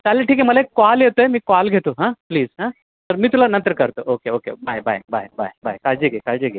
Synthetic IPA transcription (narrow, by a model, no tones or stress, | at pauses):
t̪aleʈʰiːkeməlaekkoaljet̪oemiːkalɡʱet̪oɦãpliːzɦãː | t̪əɾmiːt̪ulanə̃nt̪ɾəkəɾt̪oʔokeokḛbajbʱa̰jbʱa̰jba̰jba̰jkald͡ʒeɡekald͡ʒeɡe